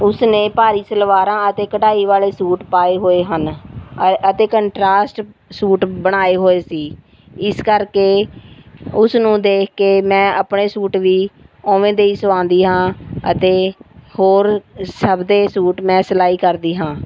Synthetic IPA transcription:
ʊsneːpaːɾiːsəlʋaːɾãːət̪eːkəʈaːiːʋaːleːsuːʈpaːeːɦoːeːɦən | ət̪eːkəɳʈɾaːsʈsuːʈbəɽ̃aːeːɦoːeːsiː | ɪskəɾkeː | ʊsnũːd̪eːkʰkeːmɛ̃ːʔəpɳeːsuːʈʋiːɔ̃ːʋẽːd̪eːiːsəʋãːnd̪iːɦãːə̰t̪eːhoːɾsəbd̪eːsuːʈmɛ̃ːsəlaːiːkəɾd̪iːɦãː

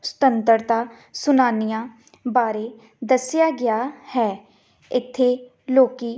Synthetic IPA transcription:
st̪ənt̪əɾt̪aː | sʊnaːnijãː | baːɾeː | d̪əsɪjaːɡɪaːhɛː | ɪt̪ʰːeː | loːkiː

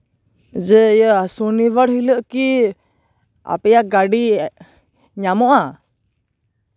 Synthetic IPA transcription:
d͡ʒɛjəasuniβəɽɦiləʔki | a̰pɛjaɡaɖi | ɲamɔʔa

